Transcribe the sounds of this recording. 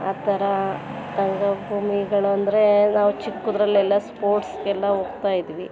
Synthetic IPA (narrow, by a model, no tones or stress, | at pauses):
a̰ːt̪ɐɾɐt̪ɐŋɡɐbʱuːmiɡɐɭuɐnd̪ɐɾe̞naːʋut͡ʃikːud̪ɾɐlːɛlːɐspoːɾʈskeɛlːɐɦoːɡ̚t̪aːjid̪iʋi